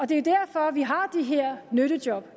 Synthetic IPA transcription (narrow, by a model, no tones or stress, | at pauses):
ɒ̽d̥e̝jod̥æɐfɒ̽ʋiɦɑ̈d̥eɦeɐ̰nøɾ̥əd̥jɒ̽b̥